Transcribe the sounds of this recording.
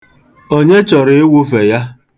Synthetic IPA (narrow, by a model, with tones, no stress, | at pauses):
o˦ɲe˦t͡ʃɔ˨ɾɪ˨ɪ˦wu˦fe˨ja˦